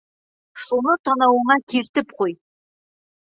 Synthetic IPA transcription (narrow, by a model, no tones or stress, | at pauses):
ʃunɤt̪ɒnɑwɤɴɑt̪iɾt̪ɘp̚quj